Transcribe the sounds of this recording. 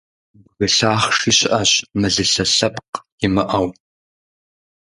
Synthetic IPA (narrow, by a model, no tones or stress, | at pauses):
wɣɨɬaːχʂiɕʔɐɕmɨɮɨɬɐɬɐpqjɪmɨʔɐw